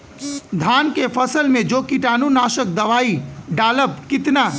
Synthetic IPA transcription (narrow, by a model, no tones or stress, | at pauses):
d̪ʱaːnkepʰəsəlmẽd͡ʒokiʈaːnunaːʃək̚d̪əʋaːiɖaːləb̚kɪt̪na